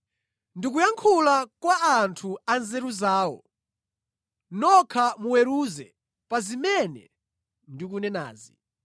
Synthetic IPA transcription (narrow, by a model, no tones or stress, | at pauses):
ndik̬ujaŋkʰulakwaːntʰuanzɛɾuzaːwɔ̰ | nɔkʰamuwɛɾuːzɛ | pazimɛnɛ̰ | ndik̬unɛna̰ːzi